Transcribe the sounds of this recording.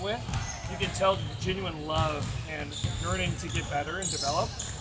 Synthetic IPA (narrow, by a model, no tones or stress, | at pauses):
wɪð | jɨkɨ̃ntʰɛlˠkʰd͡ʒɛ̃njuɨ̃nlʌvɨ̃nɜ˞nɪ̃ŋtʰɨɡɛt̚b̥ɛɾə˞ɨ̃ndɨvɛlˠəp̚